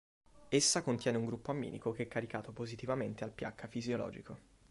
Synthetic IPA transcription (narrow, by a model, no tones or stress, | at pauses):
esːakont̪jɛːneuŋɡɾupːoamːḭːnḭkokeɛkːaɾikaːt̪opozit̪ivament̪ealpja̰kʰːafizjolɔ̰ːd͡ʒḭkʰo